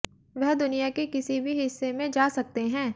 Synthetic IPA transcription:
ʋɐɦd̪ʊnijakekɪsibʱiɦɪsːemẽd͡ʒaːsɐk̚t̪eɦɛ̃ː

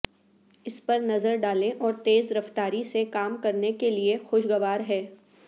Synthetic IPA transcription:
ɪspɐɾnɐzəɾɖaːlẽʔɔːɾt̪eːzɾɐft̪aːɾisekaːmkɐɾnekeliexʊʃɡɐʋaːɾɦɛː

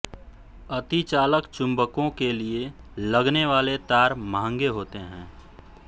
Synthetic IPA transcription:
ət̪it͡ʃaːləkt͡ʃʊ̃mbəkõkelie | ləɡneʋaːlet̪aːɾmãːŋɡeɦoːt̪eɦɛ̰̃ː

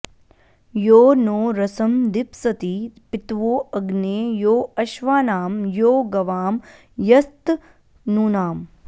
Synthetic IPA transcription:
joːnoːɾɐsɐmd̪ipsɐt̪ipit̪ʋoːɐɡneːjoːɐʃʋaːnaːmjoːɡɐʋaːm | jɐst̪ | nuːnaːm

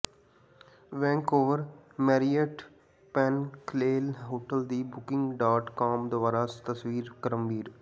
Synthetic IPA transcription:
ʋɛ̃ːŋkoːʋəɾmɛːɾiəʈ | pɛ̃ːnkleːlɦoːʈəld̪ibʊkɪ̃ŋɡɖaːʈkɔːmd̪əʋaɾaːst̪əsʋiːɾkəɾə̃mʋiːɾ

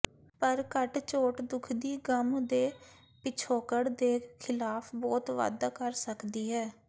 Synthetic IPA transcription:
pəɾkəʈt͡ʃoːʈd̪ʊkʰd̪iːɡəmd̪eː | pɪt͡ʃʰoːkəɽd̪eːkʰɪlaːpʰbɔːt̪ʋa̰ːd̪aːkəɾsəkd̪iːɦɛː

